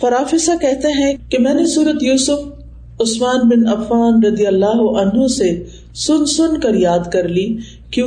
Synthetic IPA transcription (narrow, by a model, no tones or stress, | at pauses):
fɐɾaːfɪsakɛɦt̪eɦɛ̃kemɛ̃ːnesuːɾət̪juːsʊf | ʊsmaːnbɪnɐfːaːnɾɐd̪ijəlːaːɦʊʔɐnɦõse | sʊnsʊnkɐɾjaːd̪kɐɾliː | kjũː